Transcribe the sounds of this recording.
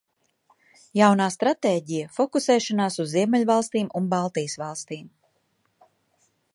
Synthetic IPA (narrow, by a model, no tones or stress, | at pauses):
jawnaːst̪ɾat̪eːɟijafɔkusɛːʃɔnaːsuzːiɛmɛlʲvalˠst̪iːmunbalˠt̪ijəsvɑlˠst̪iːm